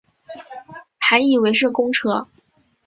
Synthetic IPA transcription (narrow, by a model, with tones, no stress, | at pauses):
xa˧˥ɪi˨˩we˧˥ɪʂɻ̩˥˩kʊ˥ŋʈ͡ʂʰɤ˧˥